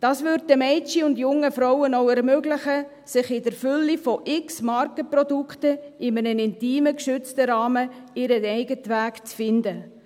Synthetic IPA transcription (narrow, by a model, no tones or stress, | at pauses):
d̥ɑːsʋʏɾd̚dəmɛɪt͡ʃiʊndjʊŋːəfɾɔʊwənowɛɾmøɡlɪχə | sɪχɪdəɾfʏlːifɔʔɪksmɑɾkəprɔduktəɪmənənɪntiːməkʃʏt͡stəɾɑːməɪɾənɛɪɡətʋæːkt͡sfɪndə